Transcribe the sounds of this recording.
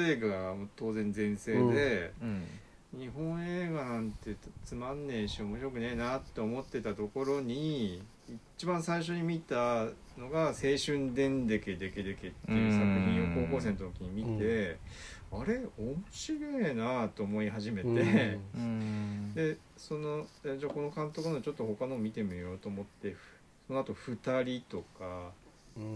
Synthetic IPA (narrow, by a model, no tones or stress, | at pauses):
eːɡamot̪o̞ːzẽ̞nd͡zẽ̞ɰ̃se̞ːd̪e̞ | ɲ̟iɦõ̞ɰ̃eːɡanãnt̪ːeɯ̟t̪ːat͡sɨmãnːẽ̞ɰ̃ɕiomo̞ɕiɾo̞k̬ɯ̟neːnat̪ːe̞omo̞t̪ːe̞t̪at̪o̞ko̞ɾo̞ɲ̟i | it͡ɕibãɰ̃saiɕ̬o̞ɲ̟imʲit̪a | no̞ɡase̞ːɕɨ̃nd̪ẽ̞nd̪e̞ke̞d̪eked̪e̞ke̞t̪ːejɯsakɯ̟çĩoko̞ːko̞ːse̞nt̪ot̪okʲiɲ̟imʲit̪e̞ | aɾe̞omoɕiɾoenat̪o̞ːmo̞iɦaʑime̞t̪e̞ | d̪e̞ | so̞no̞ad͡ʑaːko̞no̞kãnt̪o̞kɯ̟not͡ɕo̞t̪ːo̞ho̞kanoːmʲit̪e̞mʲijo̞ːt̪oːmo̞t̪ːe̞ | so̞noat̪o̞ɸɯ̟t̪aɾʲit̪o̞ka